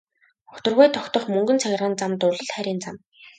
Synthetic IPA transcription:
ʊt̪ə̆rʁʊjt̪ʰɔkt̪ɞ̆χmɵŋɡɵ̆nt͡sʰæɣ̆ʲrʁə̆nt͡samt̪ʊɮə̆ɮχæɾʲiːnt͡sam

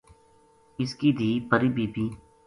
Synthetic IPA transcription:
ɪskiːd̪ʱiːpəɾibiːpiː

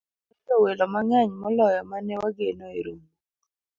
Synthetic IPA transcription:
ɔtɔwelɔmaŋaɲmɔlɔjɔmanɛwaɡenɔeɾum

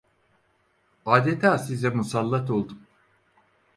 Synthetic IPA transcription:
aːd̪et̪ʰaːsizɛmusalˠːat̪o̞lˠd̪um

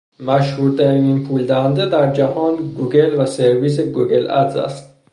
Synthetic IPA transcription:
maʃhuɾt̪ʰaɾiiːnpʰuld̪aɦand̪ed̪æɾd͡ʒaɦɒːnɡuɡelvaseɾvis̬eɡuɡelæ̰t̪za̰st̪̚

